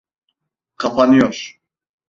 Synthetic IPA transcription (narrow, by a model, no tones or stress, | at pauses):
kʰapʰanijɔʃ